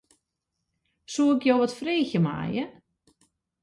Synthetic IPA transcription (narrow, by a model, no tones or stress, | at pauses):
suːɪkjowʋɔtfreːçəma̰ːjə